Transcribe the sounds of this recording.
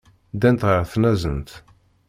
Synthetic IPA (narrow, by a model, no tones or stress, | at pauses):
d̪ænt̪ʁəɾθnæzənt̪